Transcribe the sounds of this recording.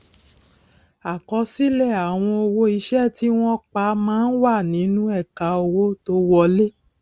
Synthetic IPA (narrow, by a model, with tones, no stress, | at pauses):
a˨kɔ˧˦si˦lɛ˦˨a˨w̃ɔ̃˧o˧wo˦i˧ʃɛ˦˨ti˦w̃ɔ̃˦k͡pa˨˦mãː˦n̩˦wa˦˨nĩ˨˦nũ˦ɛ˦˨ka˨˦o˧wo˦to˧˦wɔ˧le˦